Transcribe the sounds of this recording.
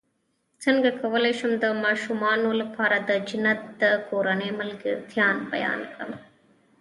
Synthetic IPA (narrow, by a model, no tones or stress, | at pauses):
t͡sɐnɡɐkɐʋɐleːʂɐmd̪ɐmɐʃumaːnulpʰaːɾɐd̪ɐd͡ʒinɐt̪ːɐkoːɾɐneːmɐlɡɨd̪ʱjaːnpɐ̰ja̰ːnkɐ̰m